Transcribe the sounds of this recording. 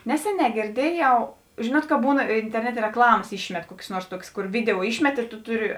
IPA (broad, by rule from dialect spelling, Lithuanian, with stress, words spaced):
ˈnʲæːsʲɛˌnʲɛː ɡʲeːrʲˈdʲiɛˌjɛʊ ˈʒʲɪnuɔt kɐ ˈbuːn ɪnʲtʲɛrʲˈnʲæːtʲeː rʲɛkˈlˠɑːmɐs ˈiːʃʲmʲɛt ˈkuɔkʲeːs ˈnuɔrs ˈtuɔkʲeːs ˈkʊr ˈʋʲɪdʲɛoː ˈiːʃʲmʲɛt ɪr tʊ ˈtʊˌrʲɪ